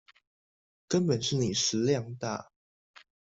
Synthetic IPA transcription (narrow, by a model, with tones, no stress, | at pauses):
kə˦npə˨˩nʂɻ̩˥˩ni˨˩ʂɻ̩˧˥ljɑ˥˧ŋt̪a̰˥˩